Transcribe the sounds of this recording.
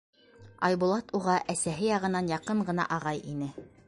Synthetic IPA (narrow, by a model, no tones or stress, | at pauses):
ɑjbulˠɑt̪uʁɑʔæsæɦɘjɑʁɤ̆nɑnjɑqɤɴɢɤ̆nɑ̰ʔɑʁɑjinɘ